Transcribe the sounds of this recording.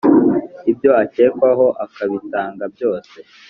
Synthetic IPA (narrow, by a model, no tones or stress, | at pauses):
ibjo̞ace̞ːkwaɦo̞ʔakaβitaːŋɡabjo̞ːse̞